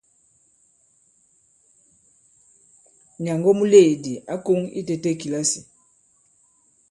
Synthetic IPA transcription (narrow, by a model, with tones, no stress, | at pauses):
ɲa˨ŋɡɔ˦mu˦le˦˨di˨a˦ko˦ŋḭ˦te˨te˦ki˨la˦si˨